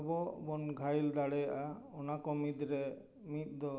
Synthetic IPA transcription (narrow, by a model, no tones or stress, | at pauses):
bɔbɔnɡʱajld̪aɽɛjaʔaɔnakɔmid̪ɾɛ | mit̪̚ˀd̪ɔ